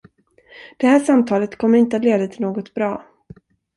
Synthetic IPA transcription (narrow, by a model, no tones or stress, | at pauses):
d̪̥ɛhæːʂamt̪ʰɑːlət̪kʰɔmːəɾɪnt̪əat̪leːd̪at̪ʰɪloːɡɔt̪bɾɑː